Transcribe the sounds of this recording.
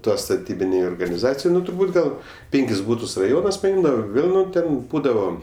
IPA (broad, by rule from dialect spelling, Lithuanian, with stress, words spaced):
ˈtuɔs stɐˈtʲiːbʲɪnʲɛɪ oːrɡɐnʲɪˈzɑːt͡sʲɪjɛɪ ˈnʊ tʊrˈbuːt ɡɐlˠ ˈpʲeːŋʲkʲɪs ˈbuːtʊs rɐˈjoːnɐs pɐˈɪmdɐʋoː ˈʋʲeːlˠ ˈnʊ ˈtʲɛn ˈbuːdɐʋoː